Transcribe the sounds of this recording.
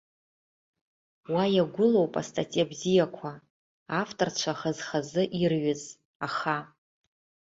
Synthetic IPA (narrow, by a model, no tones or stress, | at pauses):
wajaɡʷʊlo̞wpʼa̰stʰʼatʼijabzijakʷʰa | aftʰʼort͡ʃʷʰaχazχazɨʔirɥɪz | aχa